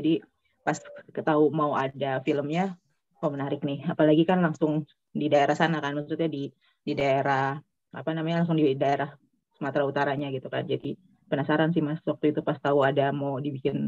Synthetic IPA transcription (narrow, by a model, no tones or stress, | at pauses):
d͡ʒadi | paskət̪aumauʔadafiləmɲa | mamənaɾɪknɪhapalaɡikanlaŋsʊŋ | didaeɾahsanakanmasut̪ʊt̪̚ɲadi | didaeɾa | a̰panamaɲalaŋsʊŋdidaeɾah | səmat̪ɾaut̪aɾaɲaɡit̪uka̰nd͡ʒadi | pənasaɾansɪmaswak̚t̪uit̪upast̪auadamaudibikɪn